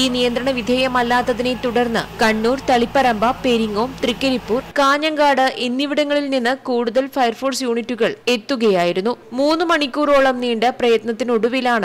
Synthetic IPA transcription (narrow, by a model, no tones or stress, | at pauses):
iːnijɐnd̪ɾɐɳɐʋid̪ʱeːjɐmɐlːaːt̪ːɐðine̞t̪uɽɐrnːɨ̰kɐɳːuːrt̪ɐɭipːɐɾɐmbʱɐpe̞ɾiŋːo̞ːmt̪rikːɐɾipːuːrkaːɲɐŋɡaːɽɨʔenːiʋiɽɐŋːɐɭilninːɨkuːɽuðɐlfɐjɐrfoːɖsjuːɳitːuɣɐɭe̞t̪ːuɣɐjaːjiɾunːumuːnːɨmɐɳikʲːuːro̞ːɭɐmniːɳɖɨprɐjɐt̪nɐt̪ːinoɽuʋilaːɳɨ